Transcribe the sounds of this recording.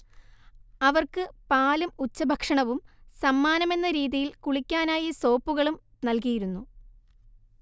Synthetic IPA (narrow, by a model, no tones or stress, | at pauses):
ɐʋɐrkɨpaːlumut͡ɕːɐbʱɐkʂɐɳɐʋumsɐmːaːnɐme̞nːɐɾiːðijilkuɭikʲːaːnaːjiso̞ːpːuɣɐɭum | nɐlk̬ijiɾunːu